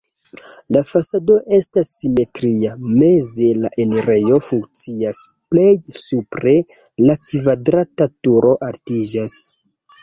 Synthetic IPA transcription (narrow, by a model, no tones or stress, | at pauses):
lafasado̞ʔe̞stasːime̞tɾiame̞ze̞laʔeneɾe̞jo̞fuŋk̚t͡siasple̞jsupɾe | lakvadɾatatuɾo̞ʔaɾtid͡ʒas